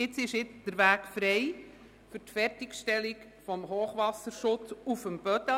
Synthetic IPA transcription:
ɪt͡sɪʃɪtd̥əɾʋæːkfɾeɪ | fʏrtfɛrtɪkʃtɛlik | fɔmɦoːχʋɑsəɾʃʊt͡sufəmbœtə

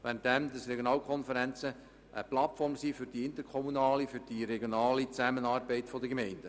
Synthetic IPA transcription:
ʋæːɾənt̚dɛmd̪ɑsɾeɡjonɑːlkʰɔnfəɾænt͡sə | ʔəplɑtfɔrmsiːfyɾd̥iɪnt̪əɾkʰɔmunɑːlifyɾd̥iɾeɡjonɑːlit͡sæmənɑːrbɛɪtfɔdəɡemɛɪnd̥ə

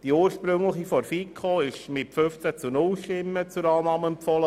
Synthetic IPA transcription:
d̥iuːɾʃpɾɵŋləχifɔɾfikʰoɪʃmɪtføft͡sæt͡sunʊlʃtɪmːət͡suɾɑːnɑːməɛmpfɔlə

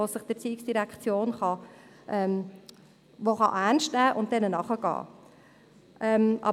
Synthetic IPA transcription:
osɪχd̥ɪt͡siːɪksd̥iɾɛkt͡sjoːnχɑ | ʔɛm | ʋoχɑ̰ʔænʃtnæːʔʊnt̚dɛnənɑχəɡ̥ɑ̰ː | ʔɛmʔɑ̰

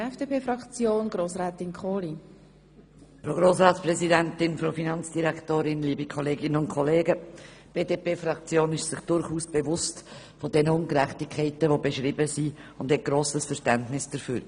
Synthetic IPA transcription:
ɛfd̥eːpʰeːfɾɑkt͡sjoːnɡ̥ɾoːsɾɛːtɪnkʰχoːli | fɾoɡɾoːsɾɑːtsprɛzidɛntɪnfɾofinɑnt͡sd̥iɾæktoːɾɪnliːbikʰɔleːɡɪnəʊntkʰɔleːɡə | b̥eːdeːpeːfɾɑkt͡sjoːnɪʃsɪχd̥ʊɾχuːsb̥ɛvʊst | fodɛnəʊŋkɾɛχtɪkʰːɛɪtəvobɛʃɾɪbəsiʊnd̥hɛt̚ɡ̥ɾoːsəsfɛɾʃtɛntnɪsd̥əɾfyːɾ

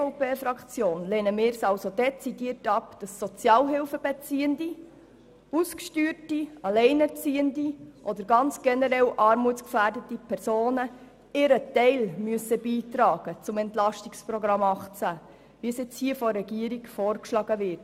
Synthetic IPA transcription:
opeːfɾɑkt͡sjoːnleːnəmɪːɾsɑlsod̥ɛt͡sidiətɑpd̥ɑsːɔt͡sjɑːlɦɪlfəbɛt͡siːəndi | uskʃtyːɾtiɑlɛɪnət͡siːəndiʔɔd̪əɾɡɑnt͡sɡ̥ɛnəɾɛlʔɑːɾmutskfæːrdətipʰɛɾsoːnə | ɪɾətɛɪlmyəsəbiːtɾɑːɡ̥ət͡sʊmɛntlɑʃtikspɾɔɡɾɑmɑχt͡sæ | ʋiəsɪt͡shiːəfɔɾɛɡiəɾiɡfɔːrkʃlɑɡəʋɪɾt

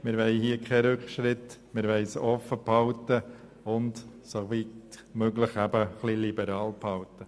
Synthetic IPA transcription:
mɪɾʋɛɪhiəkʰχɛɾʏkχʃɾɪt̪mɪɾʋɛɪsɔfːəphɑwtə | ʊntsovit | møɡləχæbəχlilibəɾɑːlphɑwt̪ə

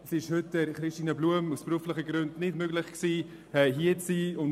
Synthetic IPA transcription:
siɪʃhʏtɛɾχɾɪʃtiːnɐbluəmusb̥ɾuəfləχəɡɾʉndnɪdmøɡlɪχksiː | ɛɦiət͡siːʊn

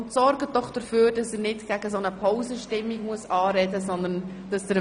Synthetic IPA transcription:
ntsɔɾɡədɔχd̥əɾføːɾd̥ɑsəɾnɪtɡ̥æɡəsonəpʰɔʊzəʃtɪmːiɡmuəsɑːɾɛdəsɔnd̪ən | d̥ɑsd̥̪əɾ

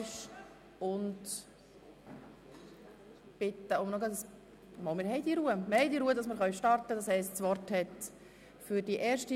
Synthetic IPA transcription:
ʃ | ʊnt | b̥ɪtːəʊmnɔɡɑtəs | mɔmɪɾhɛɪdiɾuːəmhɛɪdiɾuːədɑsməɾχœɥʃtɑɾtədɑshɛɪstsʋɔɾthɛt | fʏɾdiʔɛːɾʃti

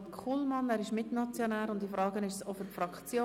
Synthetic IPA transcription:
kʰulmɑnæːɾɪʃmɪtnɑt͡sjonæːɾʊndifɾɑːɡənɪʃsofʏɾfɾɑkt͡sjoː

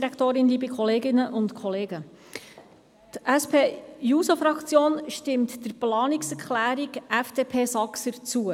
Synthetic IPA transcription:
iɾɛkt̪oːɾɪnliːbəkʰɔleːɡɪnəʔʊntkʰɔleːɡə | tʔɛspʰeːjuːsofɾɑkt͡sjoːnʃtɪmt̪d̥əɾplɑːnɪksɛɾkχlæːɾiɡʔɛfd̥eːpʰeːsɑksəɾt͡suə

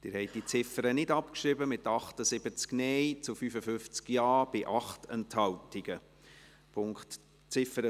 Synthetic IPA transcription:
d̥ɪːɾhɛɪt̚d̥it͡sɪfəɾənɪdɑpkʃɾɪbəmɪtɑχtəsɪbət͡sknɛjt͡sufyfəfʏft͡skjɑːb̥ɪʔɑχtɛnthɑltɪɡ̥ə | pʰʊŋkχt | t͡sɪfəɾə

